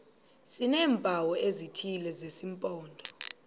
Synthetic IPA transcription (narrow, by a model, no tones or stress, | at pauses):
sinɛːmpawɔezitʰilɛzesimpʼɔːndʱɔ